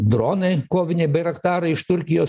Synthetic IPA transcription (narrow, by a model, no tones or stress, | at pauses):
d̪ɾoːnɐɪkoːʋʲɪnʲeɪbɐɪɾɐkt̪ɑːɾɐɪɪʃt̪ʊɾʲkʲɪjoː